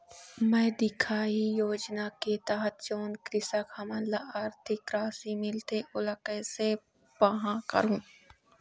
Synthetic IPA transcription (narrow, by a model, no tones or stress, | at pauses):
mɛ̃ːd̪ɪkʰaːijoːd͡ʒnaket̪ɐɦət̪̚d͡ʒoːnkɾɪsəkhɐmə̃nlaʔaːɾt̪ʰɪkɾaːsimɪlt̪eʔʊləkəse | pɐɦãkɐ̰ɾũː